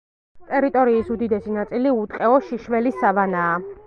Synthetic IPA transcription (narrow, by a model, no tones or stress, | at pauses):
t̪ʼɛɾit̪ʼɔɾiːsud̪id̪ɛsinat̪sʼiliut̪ʼqʼɛɔʃiʃvɛlisavanaː